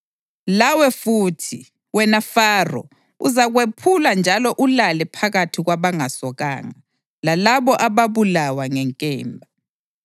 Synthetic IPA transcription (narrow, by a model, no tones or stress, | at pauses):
lawɛfuːtʰi | wɛnafaːrɔ̰ | uzaɣwepʰuland͡ʒʱalɔʔulalɛpʰaɣatʰiɣwaβaŋasɔɣa̰ːŋa | lalaβɔʔaβaβulawaŋɛŋkʼɛ̰ːmbʱa